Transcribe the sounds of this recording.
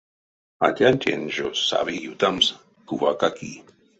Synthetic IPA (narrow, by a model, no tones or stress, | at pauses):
a̰tʲantʲenʒosa̰βijut̪ams | kuvakaki